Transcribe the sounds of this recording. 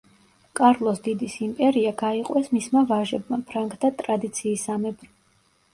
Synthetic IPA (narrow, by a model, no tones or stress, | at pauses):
kʼaɾlˠɔsd̪id̪isimpʼɛɾiaɡaiqʼwɛsmismavaʒɛbmapʰɾaŋkʰʼt̪ʰat̪ʼɾad̪it̪sʰiːsamɛbɾ